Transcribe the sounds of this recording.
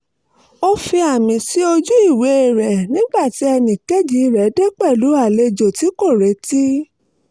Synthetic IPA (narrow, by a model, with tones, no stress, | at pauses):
o˦fi˧a˨mĩ˨si˦o˧d͡ʒu˦i˦˨we˨˦e˦˨ɾɛ˨nĩ˦ɡ͡ba˦˨ti˨˦ɛ˧nĩ˨ke˦˨d͡ʒi˨˦˧ɾɛ˨˦de˦k͡pɛ˦˨lu˨˦a˦˨le˧d͡ʒo˨ti˨˦ko˦˨ɾe˨˦ti˦